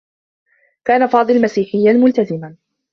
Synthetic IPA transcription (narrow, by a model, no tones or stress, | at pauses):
kaːnafɑːd̪ˤɨllmasiːħɪjːamʊlt̪azɪman